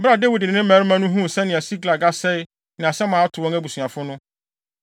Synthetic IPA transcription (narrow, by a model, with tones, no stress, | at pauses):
ba˦˨de˦wi˨dɪ˨ɪ̃˨nɪ̃˦m˦mæ˨˦ɾmã˦nʊ̃˦ɦũ˦˨sɛ̃˦nɪ̃˨æ˨si˦ɡla˨ɡa˦sɛ˦ɪ˦ | nɪ̃˨a˨sɛ˦mãː˨˦tʰʊ˨wɔ̃˦ŋæ˦bu˨su˨a˨fʊ˦nʊ̃˦